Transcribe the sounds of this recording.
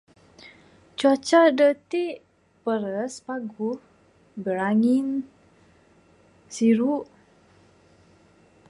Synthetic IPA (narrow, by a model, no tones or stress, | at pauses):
t͡ʃuat͡ʃadət̪iʔ | pəɾəspaɡu | bəɾaŋin | siɾuʔ